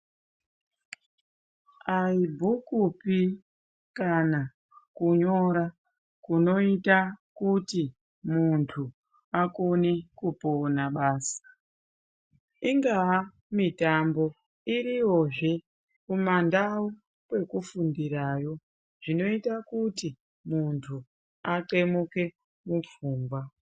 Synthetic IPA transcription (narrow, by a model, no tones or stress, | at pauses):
aibʱukupi | kana | kuɲo̞ɾa | kuno̞itakuti | muntʰu | akonekuponaɓaːsḁ | iŋɡaː | mitambo̞ | iɾiwo̞ʐe | kumandau | pe̞kufundiɾaːjo̞ | ʐ̥ino̞itakuti | muntʰu | aǃe̞muke̞ | mup͡fuːmbwa